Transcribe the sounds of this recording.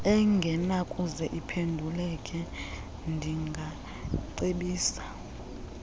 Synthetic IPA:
ɛŋɡʱɛnakʼuzɛʔipʰendʱulɛkʼɛ | ndʱiŋɡʱa | ǀeɓiːsḁ

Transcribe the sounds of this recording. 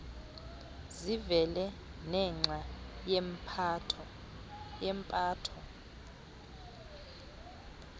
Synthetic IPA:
zivɛlɛ | nɛŋ͡ǀʱajɛmpʰatʰɔ | jɛmpʼaːtʰɔ

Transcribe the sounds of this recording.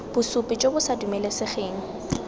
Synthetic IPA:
b̥ʊsʊpʼɪt͡ʃʼobʊsadumɛlesɪχeːŋ̩

